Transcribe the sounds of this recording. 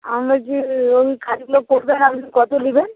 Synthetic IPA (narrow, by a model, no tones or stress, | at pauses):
amɾad͡ʒioikʰaɾikloɡ̚koʈb̪enamad͡ʒikɔt̪oliben